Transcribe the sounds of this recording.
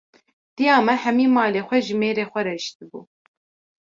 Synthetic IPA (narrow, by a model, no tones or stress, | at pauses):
d̪̥ijɑːmɛhɛmiːmɑːleːxʷɛʒɨmeːɾeːxʷɛɾɛʃt̪ɨbṵː